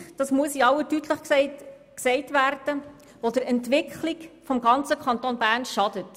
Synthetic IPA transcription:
d̥ɑsmuəsiɑwətytləχ | ksɛɪtʋærd̥ə | ʋod̥əɾɛntʋɪkχlikfɔmɡɑnt͡səkχɑnt̪onbærnʃɑd̥ət

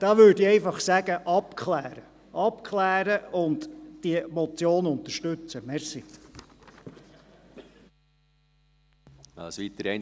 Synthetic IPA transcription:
d̥ɑːʋøːɾdiɛɪfɑχsæɡəʔɑpkʰχlæːɾə | ʔɑpkʰlæːɾəʊndd̥iəmɔt͡sjoːnʊnt̪əʃtʉt͡səmɛɾsi | ɛ̰sʋit̪əɾɛɪn

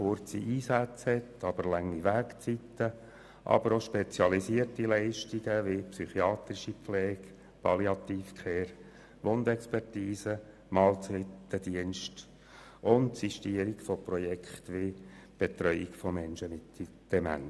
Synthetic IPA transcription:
χʊrt͡siʔiːsæt͡shɛt̪ɑb̥əɾlæŋːiʋæːkt͡sit̪ːə | ʔɑ̰bəɾoʃpet͡sjɑlisiərtilɛɪʃtiɡəʋɪpsyχiɑːt̪ɾiʃipflɛːɡ | pʰɑliɑt̪iːfkʰχeːɾ | ʋond̪ɛkspɛrtiːsə | mɑːlt͡sitːəd̪iənʃt | ʔʊntsiʃtiəɾikfɔprɔjɛkχt̪ʋɪ | b̥et̪ɾœʏikfɔmɛnʃəmɪt | d̪̥ɛmæ̰n

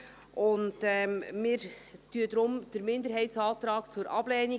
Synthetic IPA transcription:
ʔʊnd̥ɛmɪːɾtyədɾʊmd̥əɾmɪndəɾɦɛɪtsɑːt̪ɾɑːkt͡sʊɾʔɑ̰b̥lɛːni

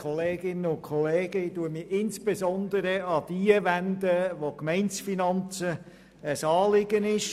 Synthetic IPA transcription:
χɔleːɡɪnːəʊnkʰɔleːɡəduəmiʔɪnsb̥ezɔnd̪əɾəɑd̪̥iːəʋænd̪əʋokmɛɪnsfinɑnt͡sə | əsɑːlɪɡənɪʃ

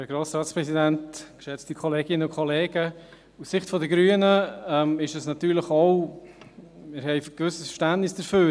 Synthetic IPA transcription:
əɡɾoːsɾɑːtspɾɛsidæntkʃɛt͡stikʰɔleːɡɪnəʊkʰɔleːɡ̥ə | usːɪχtfɔdəɡɾyːənəɛmɪʃəsnɑtyːɾləχoʊ | mɪːɾɦɛɪfɡ̥vʏsəsfə̥ʃtæntnɪsd̥əɾføː

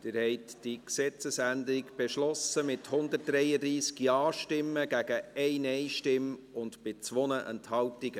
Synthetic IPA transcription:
d̥ɪɾhɛɪtd̥iksɛt͡səsændəɾɪɡb̥ɛʃlɔsəmɪthʊnd̪ət̚d̥ɾɛjədɾiːsɡjɑːʃtɪmːəɡ̥æɡəɛɪnɛɪʃtɪm | ʊndb̥et͡sʋɔnəʔə̰nthɑltɪɡə

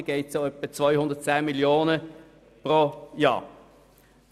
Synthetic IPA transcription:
ɡ̥eɪtt͡suœpət͡svaɪhʊnd̪əɐt̚t͡sæːnmɪljoːnə | pʁoːjɑ̰ː

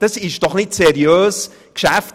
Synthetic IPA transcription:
d̥asɪʃd̥ɔχnɪtseɾjøːs | kʃɛf

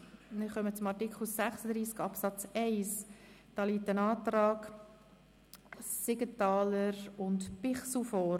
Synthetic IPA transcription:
nɪχœmət͡sʊmɑtikχl̩sæχsəd̪ɾiːskɑpsɑt͡sɛɪsd̥ɑːliːtənɑːt̪ɾɑːk | sɪɡətɑːləɾʊntpɪχsl̩fɔː

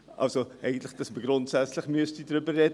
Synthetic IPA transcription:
ʔɐ̰lˠsoʔɛjɡəntləχd̥əsməɡrɔntsætsləχmyəstydɾybərːɛt

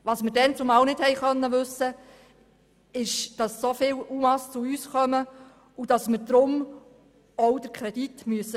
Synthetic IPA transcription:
ʋɑsmɪɾdɛnt͡sʊmɑwnɪthɛɪjχœnːəʋɵsə | ɪʃd̥ɑsːofɪːluːmɑst͡sʊyːsχœmə | ud̥ɑsməɾdɾʊm | ɔwd̥̪əɾkʰɾɛd̥itmyəsːə

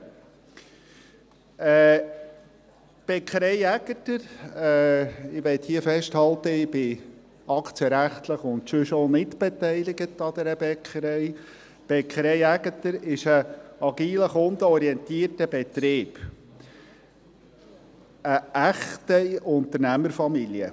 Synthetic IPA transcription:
ɛː | b̥ɛkʰəɾɛɪæɡ̥ətəɾɛɪʋɛt̪hiəfɛʃthɑlt̪əɪb̥ɪ | ɑkʰt͡siəɾæχt̪ləχʊnt̪ʃʉʃonɪtb̥et̪ɛɪlɪɡətɑd̪ɛɾəbɛkʰχəɾɛɪ | b̥ɛkχəɾɛɪæɡət̪əɾɪʃəɑɡ̥iːləχʊnd̪əɔɾiɛnt̪iːərtəb̥ɛt̪ɾeːb̥ | əæχtəʊnt̪ərnæməɾfɑmiljə̰

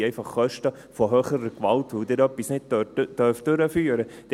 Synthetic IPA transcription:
ɛɪfɑχːœʃtə | fɔɦøːχəɾəkʋɑltʋəd̥̪ɪɾœpːisnɪd̚d̥œɾfd̥ʏɾəfyːəɾəd̥

